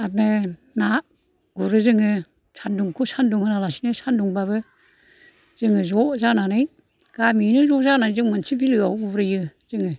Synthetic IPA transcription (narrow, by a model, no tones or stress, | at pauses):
ap̚nɯ | na | ɡ̥uɾɯzɯŋɯ | sʰanduŋkʰusanduŋhɯnalasinɯsanduŋbaβɯ | z̥ɯŋɯzɔzananɯj | ɡ̥aminɯzɔzanazɯŋmansibilɯawɡuɾɯjɯz̥ɯŋɯ